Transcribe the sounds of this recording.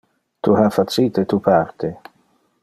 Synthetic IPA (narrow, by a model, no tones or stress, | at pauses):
t̪uhafat̪siːt̪et̪upart̪e